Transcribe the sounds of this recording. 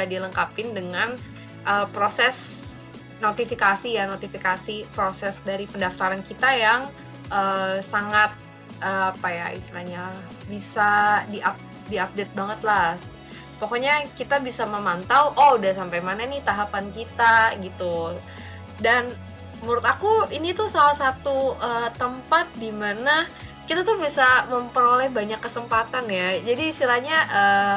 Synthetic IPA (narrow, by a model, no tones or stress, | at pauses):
adiləŋkapɪndəŋan | ʔəpɾosɛs | not̪ifikasijanot̪ifikasipɾosɛsdaɾipəndaft̪aɾankit̪ajaŋ | ʔəsaŋat̪̚ | əapaja̰ḭst̪ilaɲa | bisadiʔap̚ | diap̚det̪̚baŋət̪las | pokoɲakit̪abisaməmant̪awʔodasampajmananiht̪aɦapankit̪aɡit̪u | dan | muɾʊt̪akuinit̪usalahsat̪uət̪əmpat̪̚dimanakit̪at̪ʊhbisaməmpəɾolɛhbaɲakːəsəmpat̪anjad͡ʒadiːst̪ilahɲaʔəː